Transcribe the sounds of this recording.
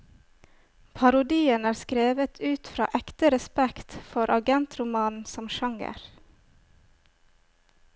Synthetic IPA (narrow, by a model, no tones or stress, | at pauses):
pʰɑɾʊd̪iːənæːɾskɾeːʋət̪ʰʉːt̪fɾɑ̰ːʔɛkt̪əɾɛspɛkt̪fɔɾʔɑɡɛnt̪ɾʊmɑːnn̩sɔmʃɑŋə̰ɾ